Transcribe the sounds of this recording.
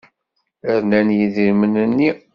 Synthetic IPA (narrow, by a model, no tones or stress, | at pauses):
əɾnænjiðiɾmənənːi